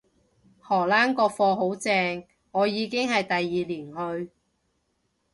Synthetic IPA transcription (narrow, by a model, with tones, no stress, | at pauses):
hɔː˨˩laː˥nkɔː˧k̚fɔː˧ɦo˨˥wt͡sɛː˧ŋ | ɔː˨˧jiː˨˧kɪ˥ŋhɐ˨jt̪ɐ˨jːiː˨liː˨˩nɦɵ˧ɥ